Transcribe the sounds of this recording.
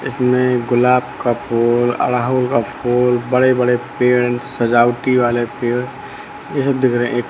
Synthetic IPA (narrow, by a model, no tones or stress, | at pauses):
ɪ̰smẽɡʊlaːbkapʰoːlə̰ɽaːɦolkapʰoːlbəɽebəɽepeːɾnsəd͡ʒaːʊʈiʋaːlepẽː | jesəb̚d̪ɪkʰɾɛẽʔeːk